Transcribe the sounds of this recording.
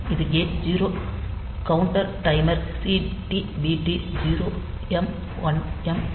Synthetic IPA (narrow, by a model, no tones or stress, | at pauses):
ɪðɯɡeːd͡ʒiːɾoː | kɐʊɳʈɐɾʈɐɪmɐɾsiʈibiʈid͡ʒiːɾoː | ɛm | ʋɐnɛm